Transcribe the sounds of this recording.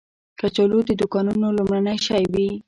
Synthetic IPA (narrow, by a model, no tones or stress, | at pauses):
kat͡ʃalod̪əd̪ʊkɑnunolumɽanajʃajwi